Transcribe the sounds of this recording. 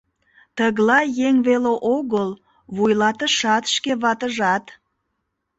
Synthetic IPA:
t̪əɣlɑjeŋβeleʔoɣəl | βujlɑt̪əʃɑt̪ʃkeβɑt̪əʒɑt̪

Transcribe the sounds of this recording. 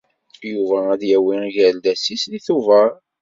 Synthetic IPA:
juvææðjæwijæld̪æsisliθuvəɾˤ

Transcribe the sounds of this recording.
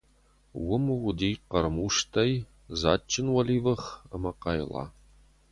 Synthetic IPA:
wʊmɨwʷʊdiːqɐɾɨmuʂtʰɐj | za̰ːt͡ʃʰʼːɪnwɐliːvɐχɐmɐqɑjlɑ̰ː

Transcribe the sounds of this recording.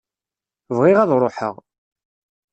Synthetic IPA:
vʁɪʁɑðɾˤoħə̰ʁ

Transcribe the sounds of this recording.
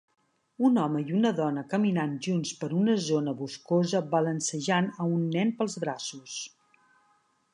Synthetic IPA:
unɔməiunəðɔnəkəminanʒunspəɾunəzonəβuskozəβələnsəʒanəunːɛnpəlˠzβɾasus

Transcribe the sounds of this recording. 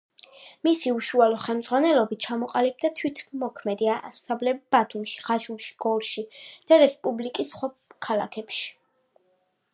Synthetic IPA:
misiuʃualɔχɛlmd̪zʁwanɛlɔbit̪̚t͡ʃʰamɔqʼalib̚d̪at̪ʰwit̪ʰmɔkʰmɛd̪iaʔasablɛb̥at̪ʰumʃi̥ʁaʃulˠʃi̥ɡ̥ɔɾʃid̪̥aɾɛspʼublikʼisχwakʰalˠa̰kʰɛpʃi̥

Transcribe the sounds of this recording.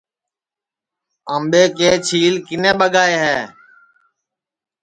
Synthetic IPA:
əmɓeːkeːt͡ʃʰiːlkɪnẽːɓəɡaːeːɦɛː

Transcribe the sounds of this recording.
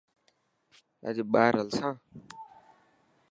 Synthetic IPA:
a̰d͡ʒiɓaːɾɐlsãː

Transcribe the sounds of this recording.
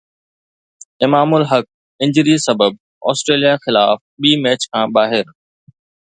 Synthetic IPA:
ɪmaːmʊlɦɐk̚ | ɪ̃ɲd͡ʑəɾisɐbəb̚ | ɔ̰ːsʈɾeːlijaxɪlaːfɓiːmɛːt͡ɕkʰãːɓaːɦɪɾ

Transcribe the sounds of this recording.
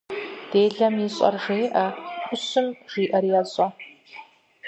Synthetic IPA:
d̥eːɮɐmjiɕʼɐ̰rʒeːʔɐxʷʊsɨmʒ̥iːʔɐrjɛɕʼɐ

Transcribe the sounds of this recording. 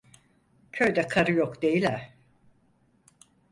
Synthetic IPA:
cʰø̞jd̪ɛkʰaɾɯjokd̪e̞jilʲæ

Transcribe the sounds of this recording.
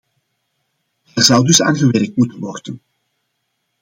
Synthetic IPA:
ɛrzɑwdɵsa̰ːnɣəʋɛɾək̚tmutənʋɔrdən

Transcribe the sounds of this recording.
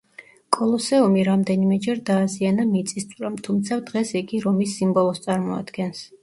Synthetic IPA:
kʼɔlˠɔsɛumiɾamd̪ɛnimɛd͡ʒɛɾd̪aːzianamit̪sʼist̪sʼuɾamt̪ʰumt̪sʰad̪ʁɛsiɡiɾɔmisːimbɔlˠɔst̪sʼaɾmɔa̰d̪̥ɡɛns

